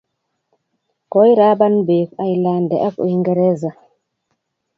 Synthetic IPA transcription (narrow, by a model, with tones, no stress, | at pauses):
kɔ˦ji˦ɾa˦ba˦nbe˨ka˨jla˨ndɛ̰˨ʔa˦ko̰˨i˦ŋɡɛ˨ɾɛ˦za˨